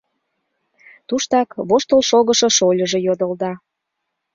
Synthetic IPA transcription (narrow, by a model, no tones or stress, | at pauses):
t̪uʃt̪ɑkβoʃt̪əlʃoɣə̆ʃɤ̽ʃolʲəʒejod̪əld̪ɑ